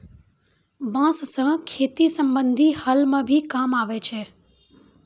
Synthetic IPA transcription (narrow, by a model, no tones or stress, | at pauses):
bãːssə̃kʰeːt̪isəmbənd̪ʱihəlmãbʱikamaʋet͡ʃʰe